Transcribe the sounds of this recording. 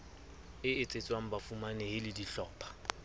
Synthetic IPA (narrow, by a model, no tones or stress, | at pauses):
ɪɪt͡sʼet͡sʼwaŋ̩bafumanɛhɪlɪdiɬɔːpʰʼḁ